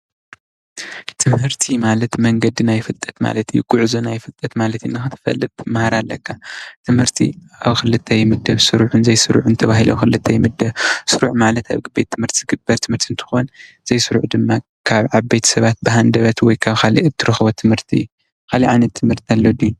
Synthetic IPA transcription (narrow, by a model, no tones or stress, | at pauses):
t̪ʰɨmhɨɾt̪ʰimalɐt̪mɐŋɡɐd̪inajfɨlt̪ʼːɐ̥t̪ma̰lɐt̪ʰɨjːuɡ̥uʕzunajfɨlt̪ʼɐt̪malɐt̪ɨnːɨxɨt̪ʰɨ̥fɐ̰lːɨt̪ʼːɨmahaɾalːɐkʰːat̪ʰɨmhɨɾt̪ʰḭ | aβxɨlɨt̪ʰːɐjmɨd̪ɐβsɨɾʕunzɐjsɨɾʕunɨt̪ʰɐβaɦilo̰xɨlɨt̪ʰːɐjmɨd̪ɐβsɨɾuʕmalɐt̪a̰βɡɨbejt̪ʰːɨmhɨɾt̪ʰiz̥ɡɨbːɐɾt̪ʰɨmhɨɾt̪ʰiɨnt̪ʰɨ̥xon | z̥ɐjsɨɾʕud̪ɨmːa | kʰaβʕaβbejt̪ʰsɐβat̪̚bɨɦand̪ɐβɐt̪wɔjkʰaβkʰalḭʔɨt̪ʰːɨɾɨxbot̪ʰɨmhɨɾt̪ʰḭj | kʰaliʕajnɐt̪ʰːɨmhɨɾt̪ʰialːod̪iu